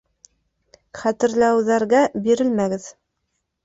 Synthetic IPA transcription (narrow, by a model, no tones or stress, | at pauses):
χæt̪ɘ̆ɾlæwðæɾɡæbiɾɘlmæɡɘð